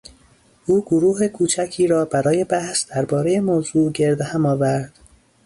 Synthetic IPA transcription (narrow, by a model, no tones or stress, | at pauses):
ʔuːɡoɾuːɦekʰuːt͡ʃʰæcʰiːɾɒːbæɾɒːje̞bæhsd̪̥æɾbɒːɾejemoːzuːɟe̞ɾd̪ehæmɒːvæɾd̪̥